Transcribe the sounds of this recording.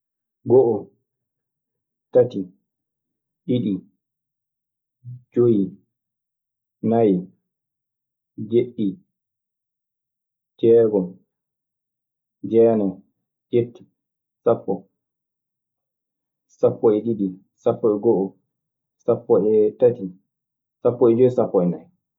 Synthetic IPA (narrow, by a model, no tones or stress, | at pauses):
ɡɔʔɔ | tati | ɗiɗi | d͡ʒoji | naji | d͡ʒeɗːi | d͡ʒɛːɡɔn | d͡ʒɛːnɛ | d͡ʒetːi̥ | sapːɔ | sapːɔɛɗiɗi | sapːɔɛɡɔʔɔ | sapːɔɛtati | sapːɔɛd͡ʒojisapːɔɛnaj